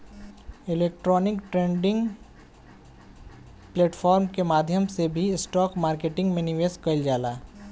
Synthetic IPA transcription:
ɪleːk̚ʈɾɔːnɪkʈɾẽːɳɖɪ̃ŋɡ | pleːʈfʰɔːɾmkemaːd̪ʱjəmsebʱiɪsʈɔːkmaːɾkeːʈɪ̃ŋɡmẽnɪʋeːskɐld͡ʒaːlaː

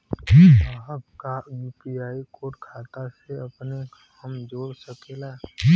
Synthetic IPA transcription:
ɦəbkajuːpiaːikoːʈkʰaːt̪aseəpne | əmd͡ʒoːɽsəkela

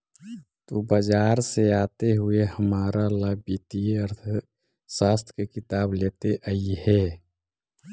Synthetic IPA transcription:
t̪obəd͡ʒaːɾseaːt̪eɦʊeɦəmaːɾalaːbit̪iəɾt̪ʰ | saːst̪ʰkekɪt̪aːbleːt̪eʔəihɛː

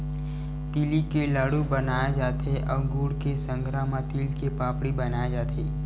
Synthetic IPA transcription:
t̪ilikelaːɽubənaːed͡ʒaːt̪eʔɔːɡuːɽkesə̃ŋɡɾaːmat̪iːlkepaːpɽibɐnaːed͡ʒaːt̪eː

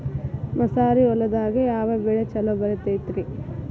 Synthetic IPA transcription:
mɐsaːɾiɔlːɐd̪aːɡejaːʋɐbɛɭet͡ʃɐlɐbɐɾet̪et̪ɾi

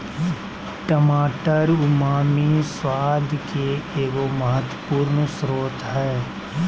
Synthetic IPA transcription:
ʈəmaːʈəɾʊmaːmiswaːd̪ʱkeeːɡoməɦət̪wəpuːɾnsɾoːt̪ɦɛː

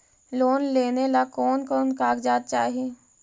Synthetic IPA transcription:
loːnleːnelakoːnkɔːnkaːɡd͡ʒaːt̪̚t͡ʃaːɦie

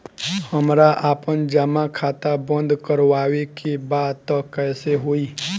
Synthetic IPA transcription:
həmɾaʔaːpənd͡ʒəmakʰaːt̪abə̃nd̪ʱkəɾwaːwekebaːd̪t̪ɔkɛːseɦoːiː

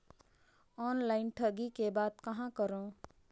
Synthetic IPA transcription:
ɔːnlaːɪnʈʰəɡikebaːd̪kɐɦãkəɾõ

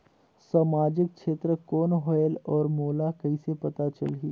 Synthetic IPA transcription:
saːmaːd͡ʒɪk̚kʃeːt̪ɾəkɔːnɦɔjəlɔːɾmoːlakɐisepɐt̪at͡ʃə̰lɦiː

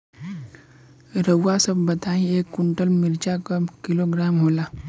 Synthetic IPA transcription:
ɾəwːasəbbɐt̪aːĩeːkːʊɳʈəlmɪɾd͡ʒakəkɪloɡɾaːmɦoːlaː

